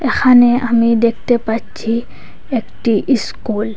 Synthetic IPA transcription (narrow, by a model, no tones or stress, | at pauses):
ɛxʰaneamid̪ekʰt̪ɛpatt͡ʃʰi | ekʈiʔiskul